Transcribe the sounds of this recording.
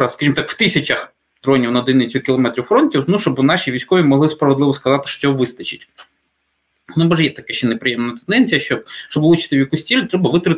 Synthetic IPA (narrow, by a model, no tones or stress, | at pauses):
ɐskɐʒimɔt̪ɑkw̥t̪ɪsʲɐt͡ʃɐx | d̪̥ɾɔnʲiwnɐɔd̪ɪnɪt͡sʲɔkʲɪlˠɔmɛt̪ɾʲiwfɾɔnʲtʲiwnuʃt͡ʃɔbɨnɑʃʲiʋʲijsʲkɔʋʲimɔɦlˠɪspɾɐʋed̪lˠɪʋɔskɐzɑt̪ɪʃɔ̥t͡sʲɔɦɔʋɪst̪ɐt͡ʃɪtʲ | nɔbɔʒjɛt̪ɐkɛʃt͡ʃɛnɛpɾɪjɛmnɐt̪end̪ɛnʲt͡sʲijɐʃt͡ʃɔʃt͡ʃɔblˠut͡ʃɪ̥t̪ɪjʲɐkusʲtʲilʲt̪ɾɛbɐʋɪt̪ɾɪ